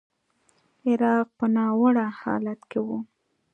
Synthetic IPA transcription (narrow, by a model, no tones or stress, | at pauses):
ɪɾɑq̚pənɑwəɽahɑ̰lat̪kewu